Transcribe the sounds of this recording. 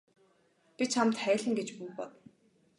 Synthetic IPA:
pʲit͡ɕʰamt̪χæːɮɘ̆ŋɡet͡ɕpujpɔt̪

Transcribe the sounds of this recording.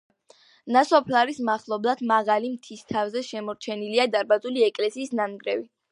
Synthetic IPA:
nasɔpʰlaɾismaχlˠɔblˠad̪maʁalimt̪ʰist̪ʰavzɛʃɛmɔɾt͡ʃʰɛniliad̪aɾbazuliɛkʼlɛsiːsnanɡɾɛvi

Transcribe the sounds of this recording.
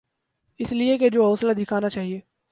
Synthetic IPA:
ɪslieked͡ʒoːɦɔːsəlad̪ʱɪkʰaːnat͡ʃaːɦieː

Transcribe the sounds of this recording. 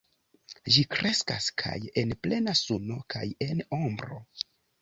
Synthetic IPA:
d͡ʒikɾe̞skaskʰa̰je̞nple̞nasuno̞kʰa̰je̞nombɾo̞̰

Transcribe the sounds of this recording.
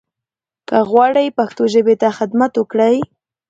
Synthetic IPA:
kaɣwaɾajpaxt̪ʊʒɪbɪt̪axad̪mat̪ʊkɽaj

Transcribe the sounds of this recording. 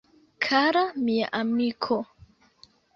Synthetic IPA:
kʰaɾamia̰ʔamikʰo

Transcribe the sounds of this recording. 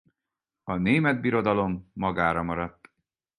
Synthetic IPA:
ɒneːmɛd̪̚biɾo̞d̪ɒlo̞mːɒɡaːɾɒmɒɾɒt̪ː

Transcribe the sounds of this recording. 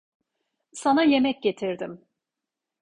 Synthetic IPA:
sanaje̞mɛc̚ɟe̞t̪ʰiɾd̪ɪm

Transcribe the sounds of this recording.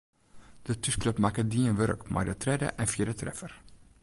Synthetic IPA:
d̥ətyskløpmakədiənʋørəkma̰rdətrɛdə̰ʔɛnfjiədətrɛfər

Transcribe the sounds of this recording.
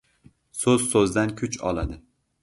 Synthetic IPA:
sɵz̥sɵzd̪ankʲʰʊt͡ʃɒ̰lˠad̪ɪ

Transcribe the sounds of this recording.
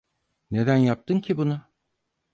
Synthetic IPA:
ne̞d̪ænjap̚t̪ʰɯncʰibuna

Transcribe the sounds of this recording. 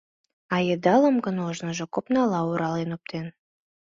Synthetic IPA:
ɑjed̪ɑləmɡənoʒnəʒokopnɑlɑuɾɑlenop̚t̪ʰen

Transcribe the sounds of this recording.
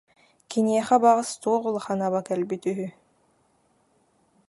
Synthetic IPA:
kiniɛχɛbaʁɯst̪uɔʁulˠɯχanaβakɛlbit̪yɦy

